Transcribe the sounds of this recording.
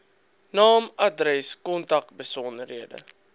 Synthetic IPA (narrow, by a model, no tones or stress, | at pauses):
nɑːmɐdrɛskɔntɐk̚bəsɔndərɦiədə̰